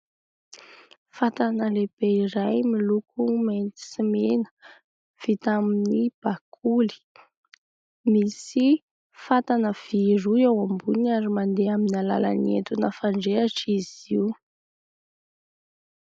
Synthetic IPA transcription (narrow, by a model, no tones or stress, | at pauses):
fat̪anəleb̥eiɾajmilukumejnt̪i̥simenə̥ | v̥it̪aminib̥akʰuli̥ | misi | fat̪anəv̥iɾuewambunaɾimand̪eaminala̰la̰niḛt̪unəfaɳɖ͡ʐeaʈ͡ʂiziw